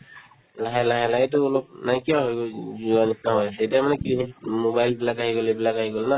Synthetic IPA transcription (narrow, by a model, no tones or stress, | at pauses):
laɦɛlaɦɛlajtʊːlɔp̚najkiaɦɔjɡozuanistʰaɦɔjasɛetiamanɛkinimobajlbilakaɦiɡolɛbilakaɦiɡolna